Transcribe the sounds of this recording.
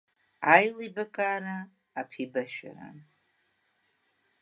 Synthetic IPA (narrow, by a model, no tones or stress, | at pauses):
ajlibakʼaːɾaː | pʰibaʃᶣa̰ɾa̰n